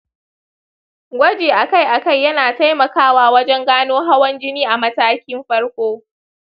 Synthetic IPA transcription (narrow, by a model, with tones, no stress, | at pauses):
ɡʷɐ˦d͡ʒeː˨ʔa˨ka˦˨jʔa˨ka˦˨jːɐ˦naː˨ta˦jmɐ˨kaː˦waː˦wɐ˦d͡ʒɛ˦ŋɡaː˦noː˦ɦa˦wɐ˦nd͡ʒɪ˦niː˦ʔa˨mɐ˦taː˦kʲɪ˦mɸɐ˦ɽkʷoː˦